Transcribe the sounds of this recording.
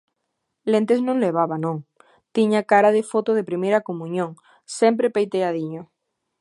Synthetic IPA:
lent̪eznõŋleβ̞aβanõŋ | t̪iɲakaɾaðɪfot̪oð̞epɾimejɾakomũɲõŋ | sɛmpɾepejt̪eaðiɲo

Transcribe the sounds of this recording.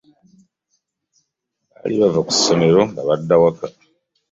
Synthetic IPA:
βa̰liβavaku̥sːo̞me̞ɾo̞ŋɡaβadːawaka

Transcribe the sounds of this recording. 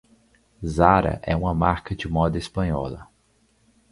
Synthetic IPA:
zaɾɐ̰ʔɛũmɐmaɾkɐd͡ʒɪmɔd̪ɐespɐ̃ɲɔlɐ̰

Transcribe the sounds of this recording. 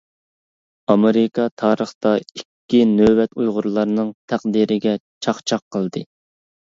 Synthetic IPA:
ɑmeɾɪkʰɑt̪ʰɑːɾəχt̪ɑikʲːinøwɛt̪ujʁʊɾlˠɑɾnɨŋt̪ʰæqd̪iɾɪɡʲɛt͡ʃʰɑχt͡ʃʰɑqʰːəlˠd̪ɨ

